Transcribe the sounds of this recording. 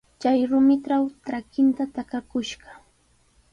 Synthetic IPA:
t͡ʃajɾʊmɪʈ͡ʂawt̪ɾakɪnt̪at̪akakʊʃɢɑ

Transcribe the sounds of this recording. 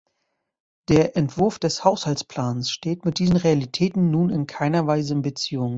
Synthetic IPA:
d̥eːɐʔɛntv̥ʊɐfd̥ɛshaʊshaltt͡spʰl̥aːnsʃteːtmɪt̚d̥iːzənʁealitʰɛːtn̩ːuːnɪnkʰaɪnɐvaɪzəɪnbət͡siːʊŋ

